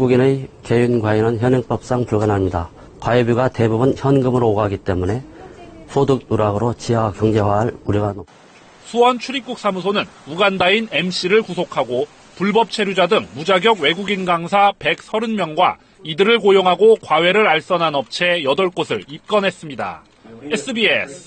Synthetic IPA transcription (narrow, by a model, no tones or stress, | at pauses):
ɡuɡineke̞junɡwainɯnçjʌnɯŋp͈ʌp̚s͈aŋpuɭɡanɦamɲida | kwaebjuɡate̞bubɯnçjʌnɡɯmɯɾoːɡaɡit͈e̞mune̞sʰodɯk̚nuɾaɡɯɾot͡ɕiakjʌŋd͡ʑe̞waaɭuɾjʌɡano | sʰuwʌnt͡ɕʰuɾip̚k͈uk̚s͈amusʰonɯnuɡandaine̞mɕ͈iɾɯɭkusʰokʰaɡo | puɭbʌp̚t͡ɕʰe̞ɾjud͡ʑadɯŋmud͡ʑaɡjʌɡwe̞ɡuɡinɡaŋsʰape̞k̚s͈ʰʌɾɯnmjʌŋɡwa̰ | idɯɾɯɭkojoŋɦaɡokwawe̞ɾɯɾaɭs͈ʌnanʌp̚t͡ɕʰe̞jʌdʌɭk͈osʰɯɭip̚k͈ʌnɦe̞s͈ɯmɲida̰ | es͈ʰɯbiesʰ